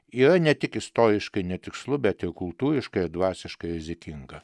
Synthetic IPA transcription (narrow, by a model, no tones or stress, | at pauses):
iːɾɐnʲɛt̪ʲɪkɪst̪oːɾʲɪʃkɐɪnʲɛt̪ʲɪkslˠʊbʲɛt̪ɪɾkʊlˠt̪uːɾʲɪʃkɐɪd̪ʋɑːsʲɪʃkɐɪɾʲɪzʲɪkʲɪŋɡɐ